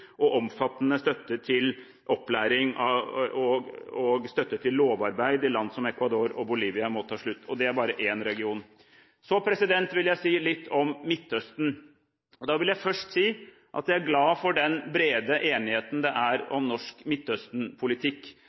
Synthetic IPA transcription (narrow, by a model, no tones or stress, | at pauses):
ʔɔʔɔmfɑt̪ːnəst̪œt̪ːət̪ʰɪl | ʔɔpːlæːɾɪŋɑɔɔɡst̪œt̪ːət̪ʰɪlloːʋɑɾbæɪd̪ɪlɑnd̪sɔmɛkʋɑd̪oːɾɔbʊliːʋɪɑmɔt̪ʰɑːʂɭʉt̪ːɔd̪ɛæɾbɑːɾəʔeːnɾɛɡɪuːn | sɔpʰɾɛsɪd̪ɛnt̪ʋɪljæɪsiːlɪt̪ːɔmːɪt̪ːœst̪n̩ | ɔd̪ɑːʋɪljæɪfœʂʈsiː | ʔɑ̰t̪jæɪæɾɡlɑːfɔɖɛnbɾeːd̪əʔeːnɪheːt̪n̩d̪ɛʔæɾɔ̰mnɔʂkmɪt̪ːœst̪n̩pʰʊlɪt̪ʰɪkː